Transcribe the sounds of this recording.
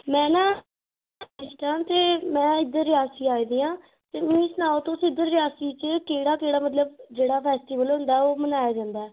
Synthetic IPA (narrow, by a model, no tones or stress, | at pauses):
mɛ̃ːnãː | ɪst̪ãːt̪eːmɛ̃ːɪd̪əɾːɪjaːsiːaːiːd̪iːãː | t̪eːmĩːsənaːot̪õːsɪd̪əɾːɪjaːsiːt͡ʃəkeːɽaːkeːɽaːmət̪ləbd͡ʒeːɽaːpʰɛːsʈiːʋəlɦʊ̃nd̪aːɛoːmənaːjaːd͡ʒãːnd̪aɛː